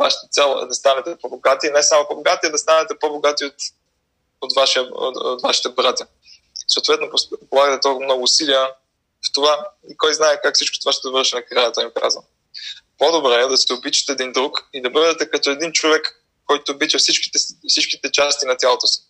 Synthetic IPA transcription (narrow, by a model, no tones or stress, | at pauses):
va̰ʃt̪ɐt̪sʲɛlˠɛ̰d̪ɐst̪anɛt̪ɛpɔboɡat̪inɛsamopoboɡat̪iɐd̪ɐst̪anɛt̪ɛpoboɡat̪iot̪ | ot̪vaʃiəo̰o̰t̪vaʃi̥t̪ɛbɾat̪ʲjə | soːt̪vɛt̪nopopolˠaɡət̪ɛt̪ɔlˠkvmnɔɡʊːsilijə | ft̪ovaikɔjznaɛkakfsit͡ʃko̥t̪ovaʃt̪ɛd̪vəɾʃinɐkɾajɐt̪ɔjimika̰zvɐn | pod̪obɾɛɛd̪ɐsɛobit͡ʃɐ̥t̪ɛɛd̪ind̪ɾukid̪ɐbəvd̪ɛt̪ɛkɐt̪ɔɛd̪int͡ʃovɛkː | ɔjt̪oːbit͡ʃ̪ɐfsit͡ʃkʲi̥t̪ɛfsit͡ʃkʲit̪ɛt͡ʃast̪inɐt̪ʲjalˠot̪osi̥